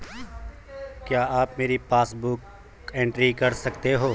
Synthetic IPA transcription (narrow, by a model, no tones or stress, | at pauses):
kjaːaːpmeːɾipaːsbʊk | ẽːɳʈɾikɐɾsɐkt̪eɦoː